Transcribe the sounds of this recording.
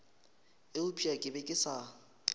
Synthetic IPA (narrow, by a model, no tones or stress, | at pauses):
ɪʊpʰiakʼɪbekʼɪsa